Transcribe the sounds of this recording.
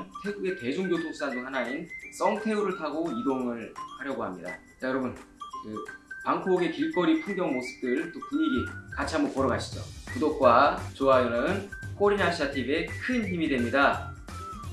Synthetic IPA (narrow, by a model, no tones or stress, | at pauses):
tʰe̞ɡuɡe̞te̞d͡ʑuŋd͡ʑotʰoŋs͈andoŋhanains͈ʌŋtʰe̞uɾɯɭtʰaɡoidoŋɯɭhaɾjʌɡoɦamɲida̰ | t͡ɕajʌɾʌbunkɯpaŋkʰooɡekiɭk͈ʌɾipʰuŋɡjʌŋmosʰɯ̥p̚t͈ɯɭt͈okɯɲiɡikat͡ɕʰiɦambʌpoɾʌɡaɕʰi̥d͡ʑo̰kudok̚k͈wat͡ɕoajonɯɯnkʰoɾinaɕ͈ʰiatʰibe̞kʰɯnɦimidwe̞mɲida